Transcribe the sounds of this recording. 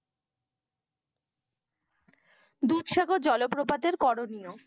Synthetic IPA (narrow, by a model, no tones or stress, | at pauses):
d̪ut̪ʃaɡod͡ʑɔlopɾopad̪eɾkɔɽonijo